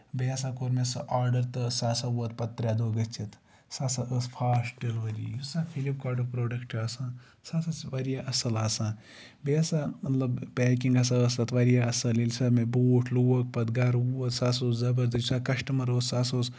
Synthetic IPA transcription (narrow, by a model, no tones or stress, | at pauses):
beɐsakoɾmesɐ̰ʔaːɾɖɐɾt̪ɨsaːsauɐt̪pɐt̪ːɾʲjad̪oːɡɐt͡ʃʰit̪ | saːsaʔəspʰaːsʈilʋɐɾḭjusaːfʰilip̚kaːɾɖɐpɾoːɖɐkʈaːsãː | sasɐʋɐɾjaʔɐsɐlaːsãː | beɐsaːmɐt̪lɐbpɛːkiŋɡɐs̬aəsɐt̪ʰʋɐɾjaɐsɐlilʲsɐmebuːʈʰluwɐk̚pɐd̪ɡɐɾuɐt̪saːs̬oːszɐbɐɾd̪ɐt͡ʃsakɐʃʈɐmɐɾoːt̪saːs̬oːs